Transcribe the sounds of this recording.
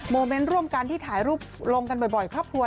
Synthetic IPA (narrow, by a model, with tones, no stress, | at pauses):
moː˧me˦˥nɾu˥˩əmka˧nt̪ʰiː˥˩t̪ʰaː˩˦jɾuː˥˩p̚lo˧ŋka˧nbɔ˨˩jbɔ˨˩jkʰɾɔː˥˩p̚kʰu˧ə